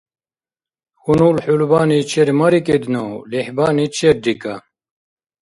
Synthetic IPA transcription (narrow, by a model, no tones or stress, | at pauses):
xunulħulbaːnit͡ɕʰeɾmɐɾiked̪nolihbaːnit͡ɕʰeɾd̪ika